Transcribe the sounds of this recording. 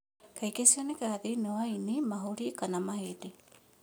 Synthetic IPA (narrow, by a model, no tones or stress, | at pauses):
kajkesiɔnekaaðenewainimaɦoɾikanamaɦede